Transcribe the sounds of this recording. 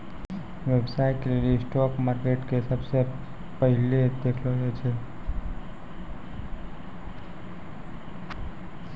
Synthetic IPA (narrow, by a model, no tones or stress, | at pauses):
ʋebsaːikeliesʈɔːkmaːɾkeːʈkesəbse | pəɦɪled̪eːkʰloɾet͡ʃʰe